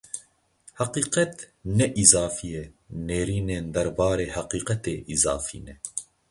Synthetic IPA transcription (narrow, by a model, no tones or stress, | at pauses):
haqiːqɛt̪ | nɛʔizɑːfijɛneːɾiːneːnd̪ɐɾbɑːɾeːhaqiːqɛt̪eːʔizɑ̰ːfḭːnɛ